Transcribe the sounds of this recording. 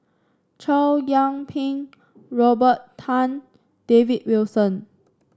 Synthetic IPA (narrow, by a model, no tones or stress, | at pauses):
t͡ʃʰaljãŋpʰĩŋ | ɹɔbəttʰːãn | d̥evit̚wilsə̃n